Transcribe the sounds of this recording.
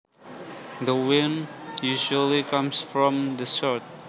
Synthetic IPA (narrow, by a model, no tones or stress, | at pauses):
dəwɪ̃njuʒuəlikãmsfɹɔ̃md̪əsɔt̚